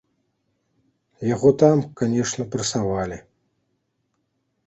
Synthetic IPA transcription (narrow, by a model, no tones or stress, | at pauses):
jaɣɔt̪amkanʲɛʂnɐpɾɐsavalʲi